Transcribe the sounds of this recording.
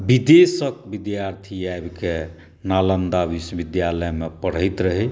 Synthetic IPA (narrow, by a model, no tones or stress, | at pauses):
bid̪esək̚bid̪jaɾt̪ʰiajbke | nalənd̪abiswəbid̪jaləjmepəɽ̤əjt̪ɾəɦɛ